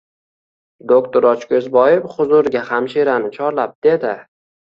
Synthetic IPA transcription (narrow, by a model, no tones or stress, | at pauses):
d̪okt̪ʰoɾɒt͡ʃkʲʰɵzbɒjɪpχʊzʊɾɡʲahamʃiɾanɪt͡ʃʰɒɾlap̚d̪̥e̞d̪ɪ